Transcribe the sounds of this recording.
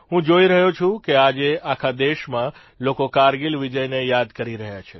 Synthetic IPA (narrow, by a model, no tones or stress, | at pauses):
ɦũd͡ʒoiɾəɦot͡ʃʰũkead͡ʒeakʰad̪eʃmã | lokokaɾɡilʋid͡ʒəjnejad̪kəɾiɾəɦjat͡ʃʰe